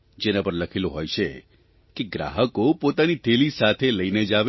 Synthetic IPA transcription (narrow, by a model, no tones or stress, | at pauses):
d͡ʒenapəɾləkʰiloɦojt͡ʃʰe | keɡɾa̰ɦəkopot̪anit̪ʰelisat̪ʰeləined͡ʒaʋ